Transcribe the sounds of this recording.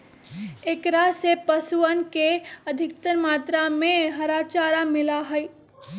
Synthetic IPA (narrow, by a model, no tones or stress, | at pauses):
ekɾasepəsuənkeəd̪ʱɪkt̪əɾmaːt̪ɾamẽɦəɾat͡ʃaːɾamɪlaɦəj